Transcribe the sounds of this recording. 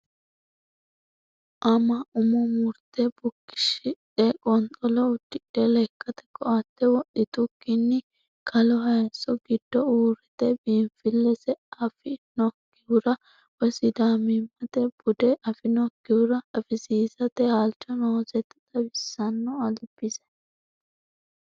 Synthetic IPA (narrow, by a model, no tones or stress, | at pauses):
ʔɐmɐʔʊmɔmʊɾt̪ɛbʊkːɪ̥ʃɪᶑɛkʼɔnt̪ʼɔlɔʊd̪ɪᶑɛlɛkːɐt̪ɛ̥kʼɔʔɐt̪ːɛwɔɗɪt̪ʊkːɪnːɪ | kʰɐlɔɦɐjɐsɔɡɪd̪ːɔuːɾɛt̪ɛbiːɱfɪlːɛsɛɐfɪnɔkːɪʊɾɐ | wɔsɪd̪aːmɪmːɐt̪ɛb̥ʊd̪ɛʔɐfɪnɔkːɪʊɾɐɐfɪsiːzɐt̪ɛhaːlt͡ʃʼːɔnɔɔzɛt̪ːɐt̪ɐbɪsːɐnːɔɐlb̥ɪsɛ